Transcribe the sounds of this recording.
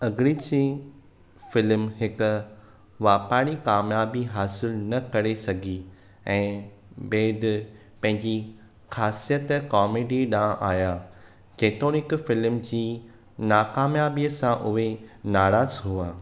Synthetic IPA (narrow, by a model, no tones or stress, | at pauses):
ɐɡɪɾit͡ɕi | fɪlmɦɪkʊ̆ | ʋaːpaːɽ̃ikaːmjaːbiɦaːsɪlnɐkɐɾesɐɡʱi | ɛ̃ː | beːd̪ | pɐ̃ɦɪ̃ɲd͡ʑi | xaːsijət̪kɔːmeːɖiɗãːʔaːjaː | d͡ʑeːt̪õnɪkfɪlmd͡ʑiː | naːkaːmjaːbiəsãʔʊɦenaːɾaːzɦuaː